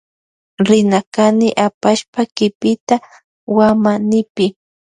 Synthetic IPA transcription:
ɾɪnakanɪʔapaʃpakɪpɪt̪a | wamanɪpɪ

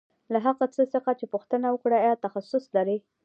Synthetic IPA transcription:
laɦaɣat͡səsəxat͡ʃepuxt̪ənawəkɽaajɑt̪axasʊslaɾi

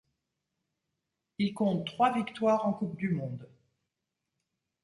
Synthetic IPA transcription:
ilkɔ̃t̪ːχwavikt̪waʁɑ̃kupd̪ymɔ̃d̪

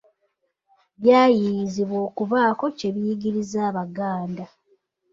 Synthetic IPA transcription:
βjaːjijiziβwo̞ːkuβaːko̞ce̞βijiɡiɾizaːβaɡaːnda

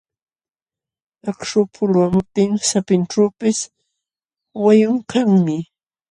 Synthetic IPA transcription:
akʂʊpʰʊlwamʊp̚t̪ɪŋsapɪnʈ͡ʂaːpɪs | wajʊŋkaŋmɪ

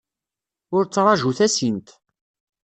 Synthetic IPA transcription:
ʊɾt͡sːɾˤɑʒuθæsint̪

